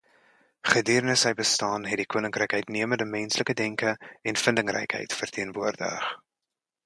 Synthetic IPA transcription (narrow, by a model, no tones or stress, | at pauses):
χədirnəsəjbəstɑːnɦɛt̚dikuənəŋkrɛjkɦœɥtniəməndəmɛnsləkədɛŋkəɛnfəndəŋrɛ̰jkɦə̰jtfərtʰiənvuərdə̰χ